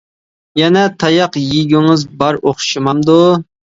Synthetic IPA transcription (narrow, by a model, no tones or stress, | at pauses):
jɛnɛt̪ʰɑjɑqjiɡʲyŋɨzbɑɾoχʃimɑmd̪u